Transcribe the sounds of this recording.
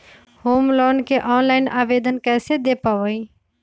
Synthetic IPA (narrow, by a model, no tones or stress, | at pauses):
hoːmlɔːnkeʔɔːnlaːɪnʔaːʋeːd̪ənkɛːsed̪epaʋəi